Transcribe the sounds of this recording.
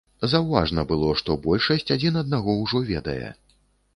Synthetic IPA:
zɐwva̰ʐnɐbɨlˠɔʂt̪ɔbɔlʲʂɐsʲt͡sʲad͡zʲinɐd̪̚naɣɔwʐɔvʲɛd̪ɐ̰jɛ̰

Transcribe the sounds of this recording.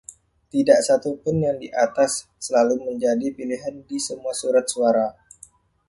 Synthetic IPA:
t̪idaʔsat̪upʊnjaŋdiʔat̪asː | əlaluməɲd͡ʒadipiliɦandisəmuasuɾat̪̚suaɾa

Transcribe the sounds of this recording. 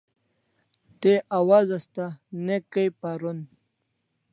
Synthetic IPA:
t̪eʔawazast̪anekəjpaɾun

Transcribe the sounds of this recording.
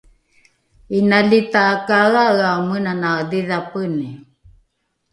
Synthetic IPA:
inalit̪aːkaɣaɣamənanadiðapəni

